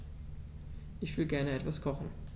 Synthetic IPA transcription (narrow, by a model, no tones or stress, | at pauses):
ʔɪçv̥ɪlɡɛɐnəɛtv̥askʰɔχn̩